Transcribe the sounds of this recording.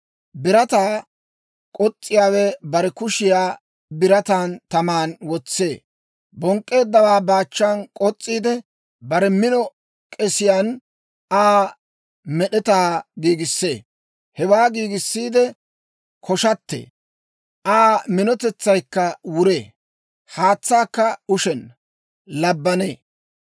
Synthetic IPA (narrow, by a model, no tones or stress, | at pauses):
bɪɾɐt̪aː | kʼɔt͡sʼːɪjaːwɛbɐɾɛkʊʃɪjaː | bɪɾɐt̪aːnt̪ɐmaːnwɔt͡sːe̞ː | bɔŋkʼːe̞ːd̪ːɐwaːbaːt͡ʃːankʼɔt͡sʼːiːd̪ɛ | bɐɾɛmɪnɔ | kʼɛsɪjaːn | ʔaː | mɛɗɛt̪aːɡiːɡɪsːḛː | hɛwaːɡiːɡɪsːiːd̪ɛ | kʰɔʃɐt̪ːḛː | ʔaːmɪnɔt̪ɛt͡sːɐjkːɐwʊɾḛː | haːt͡sːaːkːɐʊʃɛn | lɐbːɐnḛː